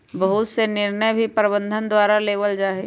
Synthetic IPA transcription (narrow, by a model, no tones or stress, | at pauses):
bəɦʊt̪senɪɾnəjbʱipɾɪbə̃nd̪ʱənd̪waːɾaleːʋəld͡ʒaːɦe